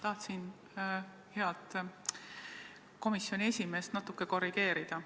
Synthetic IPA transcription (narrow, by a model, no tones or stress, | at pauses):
t̪ɑht̪sin | he̞ɑt̪ | ko̞misjo̞nʲie̞sʲime̞ːst̪nɑt̪ukːˑe̞ko̞ɾiɡ̥e̞ːɾid̪̥ɑ